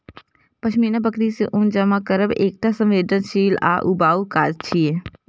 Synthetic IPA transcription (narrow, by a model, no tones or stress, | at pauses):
pɐʃmiːnabəkɾiseʔʊ̃nd͡ʒəmakəɾəbeːk̚ʈ̪asə̃mʋeːd̪ənʃiːla̰ːʔubaːukaːd͡ʒt͡ʃʰie